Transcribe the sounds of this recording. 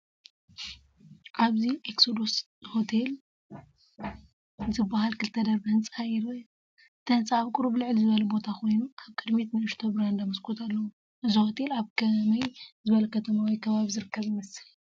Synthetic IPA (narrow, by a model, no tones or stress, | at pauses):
ʔaβziʔeksod̪os | ho̞t̪ʰel | zɨbːaɦalkʰɨlt̪ʰɐd̪ɐɾbɐɨnt͡sʼhajɾɐ | t̪ʰɐnt͡sʼaaβkʼuɾublɨʕlzɨβɐlɐbo̞t̪ʰakʰo̞jnukʰaβkʼɨd̪met̪nɨɨʃt̪ʰobɾand̪amɐskʰot̪ʰalːɐwu | ʔɨzihot̪ʰe̞laβkʰɐmɐjzɨβɐlɐkʰɐt̪ʰɐmawikʰɐβaβizɨɾɨkʰːɐβimɐsɨl